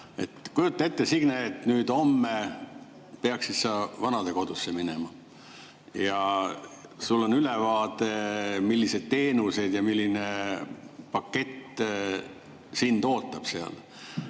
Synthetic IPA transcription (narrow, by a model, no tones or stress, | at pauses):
e̞̰t̪kujut̪ˑːe̞t̪ːesiɡ̥neːt̪nyːd̪o̞mːe | peɑksit̪sɑvɑnɑd̪e̞ko̞d̪̥usːeminemɑ | jɑ | sulːo̞nylevɑːt̪e̞milːise̞d̪̥̚t̪e̞ːnuse̞d̪jɑmilːine | pɑkːe̞t̪ː | sint̪o̞ːt̪ːˑɑb̥seɑ̰l